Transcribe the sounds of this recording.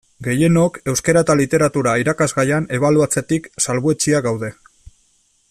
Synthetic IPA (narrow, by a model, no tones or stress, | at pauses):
ɡe̞je̞no̞ke̞wske̞ɾat̪alit̪e̞ɾat̪uɾaiɾakazɣajane̞β̞aluat͡se̞t̪iksalβue̞t͡ʃiaɡawðe̞